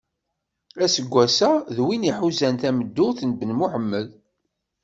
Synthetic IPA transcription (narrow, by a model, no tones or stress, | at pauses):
æsəɡʷːæsæðwiniħuzænt̪æməd̪ːʊθnbənmʊħəmːəl